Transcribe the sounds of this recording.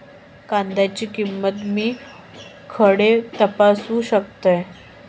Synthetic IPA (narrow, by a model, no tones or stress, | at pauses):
kand̪at͡ɕiːkimːət̪miː | kʰəɽet̪əpasuːɕəkt̪əj